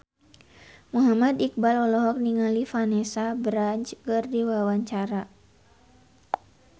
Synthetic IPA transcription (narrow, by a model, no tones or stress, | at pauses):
muɦamad̪ik̚balɔlɔɦɔk̚niŋalifanɛsabɾaɲt͡ʃkɨrdiwawaɲt͡ʃaɾa